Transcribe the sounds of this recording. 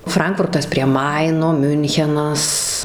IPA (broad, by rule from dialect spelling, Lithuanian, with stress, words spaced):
ˈfrɐŋkfʊrtɐs pʲrʲiɛ ˈmɐɪnoː ˈmʲʊŋʲxʲɛnɐs